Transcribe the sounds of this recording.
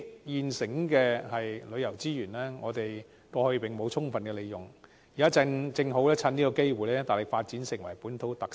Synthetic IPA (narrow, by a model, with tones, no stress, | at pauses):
jiː˨nsɪ˨˥ŋkɛː˧hɐ˨jlɵ˨˧ɥjɐ˨˩wt͡siː˥jyː˨˩nlɛː˥ŋɔ̰ː˨˧t̪e˨j | kɔː˧hɵ˧pɪ˨˩ŋmo˨˧wt͡sʰʊ˥ŋfɐ˨nkɛ˧le˨˧jʊ˨˩ŋ | i˨kaː˥˧t͡sɪ˧ŋɦo˨˥wlɛː˥t͡sʰɐ˧niː˥kɔ˧ke˥jwu˨jlɛː˥t̪aː˨˩lɪ˨k̚faː˧t̚t͡siː˨˥nsɪ˨˩ŋwɐ˨˩jpuː˨˥nt̪ʰo˨˥wt̪ɐ˨k̚